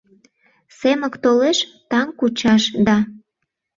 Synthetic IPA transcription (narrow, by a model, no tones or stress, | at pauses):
seməkt̪oleʃt̪ɑŋkut͡ɕɑʃd̪ɑ